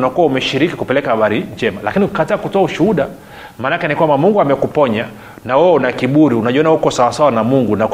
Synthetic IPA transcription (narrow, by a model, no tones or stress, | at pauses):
nakuwaumɛʃiɾikikupɛlɛkahaɓaɾiɲd͡ʒɛmalakiniukataːkutɔauʃuhuɗa | maːnakɛnikwambamuŋɡuamɛkupɔɲa | nawɛɔunakiɓuɾiunaʄiɔnahukɔsawasawanamuŋɡunak